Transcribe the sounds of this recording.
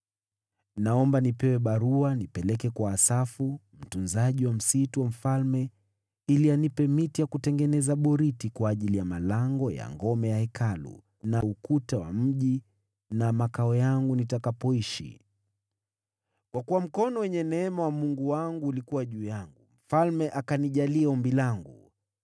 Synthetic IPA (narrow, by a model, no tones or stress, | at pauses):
naɔmbanipɛwɛɓaɾuanipɛlɛkɛkwaːsafum̩tunzaʄiwam̩situwam̩falmɛ | ilianipɛmitijakutɛŋɡɛnɛzaɓɔɾitikwaːʄilijamalaŋɡɔja̰ŋɡɔmɛjaɛkʰalṵ | naukutawa̰m̩ʄi | namakaɔjaŋɡunitakapɔiʃḭ | kwakuwam̩kɔnɔwɛɲɛnɛɛmawamuŋɡuwaŋɡuːlikuwaʄuːjaŋɡum̩falmɛʔakaniʄaliɛɔmbilaŋɡṵ